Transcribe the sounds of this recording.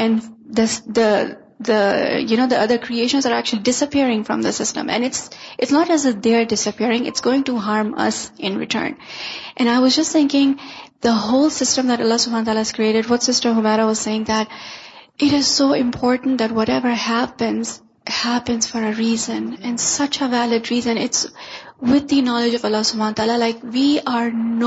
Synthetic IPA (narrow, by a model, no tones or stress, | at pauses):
ɛ̃nd̪əd̪ə | d̪əjuñoʊd̪iʔʌd̪əɾkʰɾieɪʃə̃nzəɾæk̚t͡ʃʉəlidɪsəpiɾɪ̃ŋfɹʌ̰̃md̪əsɪstə̰̃mʔɨ̰̃nɪtsʔɪtsnətæzd̪eɹdɪsəpʰiɾɪ̃ŋɪ̰tsɡ̥oːɪ̃ŋtuɦɑɹmʌ̰sʔɪ̃nɹɪ̰ʈʰə̰̃ːnʔɨ̃naɪwʌzd͡ʒʌstθɪ̃ŋkɪ̃ŋd̪̥əɦoʊlsɪstə̃md̪æɾʌlːɑsʊbhãnət̪aːlaɪz̥kɾieːɾɨdwʌtsɪstəɦʊmeɾawʌz̥seɪɪ̃ŋd̪ætʔɪɾɪz̥soːɪ̃mpʰɔɹtn̩t̚d̪ætwɔɾɛvə˞hæpɨ̃nz̥ | hæpɨ̃nz̥fɔɾəɹiːzə̃nɨ̃nsʌt͡ʃəvælɪdɹiːzə̃nɪtswɪd̪inɔlɪd͡ʒʌvʌlːɑsʊbʱãnət̪aːlalaɪkwiʔaɹn